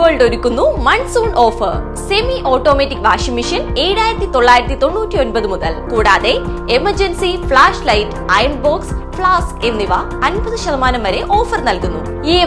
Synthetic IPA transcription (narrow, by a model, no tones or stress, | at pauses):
ɐːɭɖo̞ɾukːunːumɐnsuːɳɖo̞ːfɐr | se̞miʔo̞ːʈːo̞ːmetːikʋaːʂɐmiʂɐne̞ːɽaːjiɾɐt̪ːit̪o̞ɭːaːjiɾɐt̪ːit̪o̞ɳːuːtʲːio̞nbɐðɨmuðɐ̰lkuːɽaːðe̞ | emɐrd͡ʑɐnsifɭaːʂlɐjtː | ɐjɐɳbo̞ːksfɭaːske̞nːiʋɐ | ɐnbɐðɨɕɐðɐmaːnɐmʋɐɾe̞ʔo̞ːfɐrnɐlkunːṵ | eː